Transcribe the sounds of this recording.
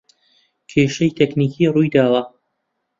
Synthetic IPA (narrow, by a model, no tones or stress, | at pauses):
kʰeːʃɐjt̪ʰekniːkʰiːrujd̪aːlˠɐ